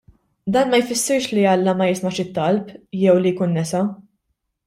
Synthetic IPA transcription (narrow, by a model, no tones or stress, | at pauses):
d̪ɐːnmɐjfɪsːɪɾʃliɐlːɐmɐjɪsmɐʃɪt̪ːɐlpjɛwlijkuːnːɛsɐ